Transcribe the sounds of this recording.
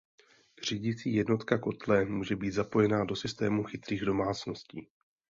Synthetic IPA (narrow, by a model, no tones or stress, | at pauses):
r̝̥iːɟɪt͡siːjɛdno̞t̪kako̞t̪lɛmuːʒɛbiːt̪zapo̞jɛnaːdo̞sɪst̪ɛːmuxɪt̪ɾiːɣdo̞maːt͡sno̞sciː